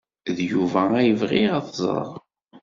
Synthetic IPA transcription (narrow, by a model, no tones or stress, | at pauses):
ðjuvææjəvʁiʁaθz̰ˤɾˤə̰ɾˤ